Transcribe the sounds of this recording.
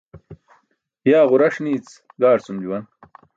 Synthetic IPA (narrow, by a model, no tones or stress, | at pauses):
jaːʁuɾɐʂniːt͡s | ɡaːɽt͡sumd͡ʑuwɐn